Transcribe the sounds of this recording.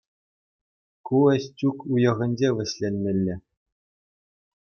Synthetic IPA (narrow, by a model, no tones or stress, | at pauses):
kuɘ̆ɕʲtʲukujɤ̆ʁɤ̆nʲd͡ʑeʋʲɘ̆ɕʲlʲenʲmʲĕlʲːɘ̆